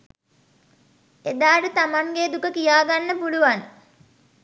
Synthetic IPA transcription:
ed̪aːʈət̪amaŋɡeːd̪ukəkijaːɡanːəpuluʋan

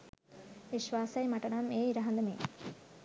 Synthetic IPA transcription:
ʋiʃʋaːsɐjmɐʈɐɳɐmeːiɾɐɦɐnd̪ɐmḛː

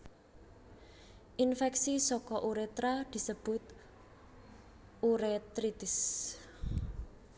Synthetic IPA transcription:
ʔinfɛksisɔkɔʔuɾet̪ɾad̪̥i̤səb̥ʊ̤t̪ | uɾet̪ɾit̪ɪs

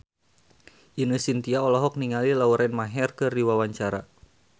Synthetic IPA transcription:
ʔinəsint̪iaɔlɔɦɔk̚niŋalilauɾɛnmaɦɛrkɨrdiwawaɲt͡ʃaɾa̰

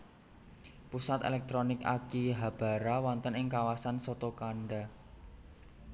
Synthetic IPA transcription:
pusat̪ḛlɛk̚t̪ɾonɪka̰kiɦab̥a̤ɾawant̪ənɪŋkawasansɔt̪okaɳɖa

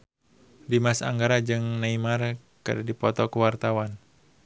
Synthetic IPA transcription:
dimasa̰ŋɡaɾad͡ʒɨŋnaimar | kə̰dadipɔt̪ɔkuwart̪awan

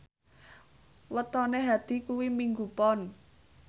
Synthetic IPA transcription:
wət̪ɔneɦad̪̥i̤kuwimiŋɡupɔn

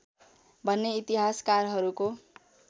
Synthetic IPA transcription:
bʱʌnːeit̪iɦaskarɦʌɾuko

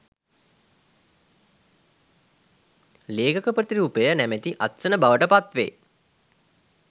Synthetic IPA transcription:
leːkəkəpət̪iɾuːpejənæmet̪iʔat̪sənəbaʋəʈəpat̪ʋḛː

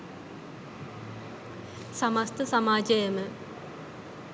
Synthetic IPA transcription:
samast̪əsamaːd͡ʒəjəmə

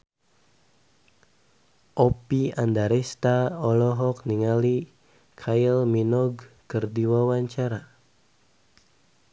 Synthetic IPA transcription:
ʔɔpiandaɾɛst̪aɔlɔɦɔkniŋali | kʰailminɔɡkərdiwawaɲt͡ʃaɾa

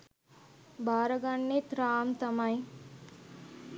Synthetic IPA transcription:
baːɾɐɡaɳːet̪ɾaːmt̪ɐmaj̃

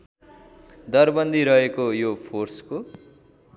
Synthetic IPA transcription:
d̪ʌrbʌnd̪ʱiɾʌɦekojopʰorsko

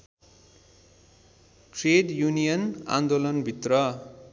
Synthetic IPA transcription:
ʈreɖjunijʌnã̰nd̪olʌnbʱit̪rʌ

